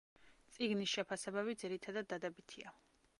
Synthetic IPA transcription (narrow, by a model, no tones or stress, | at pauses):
t̪sʼiɡnisʃɛpʰasɛbaβid̪ziɾit̪ʰad̪ad̪̚ːad̪ɛbit̪ʰia